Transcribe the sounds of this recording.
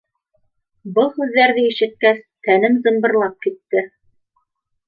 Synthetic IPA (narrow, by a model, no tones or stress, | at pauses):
bɤlˠhʉðːæɾðɘiʃɘ̆t̪̚kæst̪ænɘmzɤ̆mbɤ̆ɾlˠɑp̚kit̪ːɘ